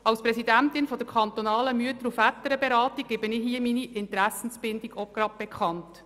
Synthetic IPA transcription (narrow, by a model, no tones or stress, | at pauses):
ɑlspɾɛsidæntɪnfɔdəɾkʰχɑnt̪ɔnɑːləmyətəɾufætːəɾəbeɾɑːtiɡ̚ɡebənɪɦiəminiʔɪntɾæsən̩sb̥ɪndiɡoɡ̥ɾɑd̚b̥ɛkχɑnt